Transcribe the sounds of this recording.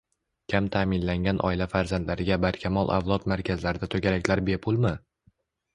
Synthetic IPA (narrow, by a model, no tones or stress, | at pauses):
kʲʰamt̪ʰaːmɪnlaŋɡʲanʔɒ̰ɪlafaɾzand̪laɾɪɡʲabaɾkʲʰamɒlˠʔa̰vlˠɒt̪maɾkʲʰazlaɾɪd̪at̪ʰoɡʲaɾakʲlaɾbepʰʊlˠmɪ